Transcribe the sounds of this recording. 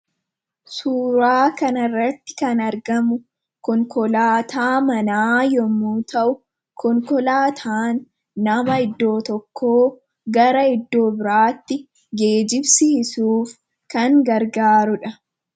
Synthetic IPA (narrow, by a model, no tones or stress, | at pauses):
suːɾaːkɐnɐrːɐt̪ːɪ̥kɐnɐɾɡɐmʊ | kɔŋkɔlaːt̪ʰaːmɐnaːjɔmuːt̪ɐʔʊ | kʰɔŋkɔlaːt̪ʰaːnː | ɐmɐɪd̪ːo̞ːt̪ɔkʰːoː | ɡɐɾɐɪd̪ːo̞ːbɪɾaːt̪ːɪ | ɡe̞ːd͡ʒɪbsiːsuːf | kɐŋɡɐɾɡaːɾʊᶑɐ